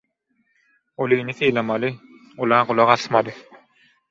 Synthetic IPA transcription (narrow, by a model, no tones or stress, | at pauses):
ɔlˠinisɯjlˠamalɯ | ulˠaːqulˠaʁasmad̪ɯ